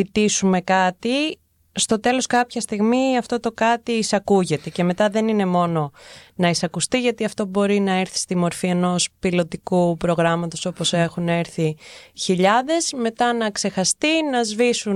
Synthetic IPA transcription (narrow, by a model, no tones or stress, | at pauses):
it̪isume̞kɐt̪i | st̪o̞t̪e̞lo̞skɐpçɐst̪iɣmiɐft̪o̞t̪o̞kɐt̪iːsɐkuʝe̞t̪e̞ce̞me̞t̪ɐðe̞nine̞mo̞no̞nɐisɐkust̪iʝɐt̪iɐft̪o̞bo̞ɾinɐeɾθi̥st̪imo̞ɾfie̞no̞spilo̞t̪ikupɾo̞ɣɾɐmɐt̪oso̞po̞se̞xuneɾθiçiʎɐðe̞zme̞t̪ɐnɐkse̞xɐst̪inɐzvisu